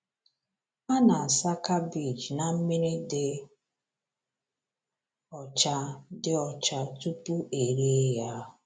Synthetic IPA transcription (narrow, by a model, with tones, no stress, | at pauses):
a˦na˨a˨sa˦ka˦bi˨d͡ʒna˨m̩˦mi˦ɾe˦dɪ˦ | ɔ˨t͡ʃa˦dɪ˦ɔ˨t͡ʃa˦tu˦pu˦ʔe˨ɾi˦e˦ja˦˨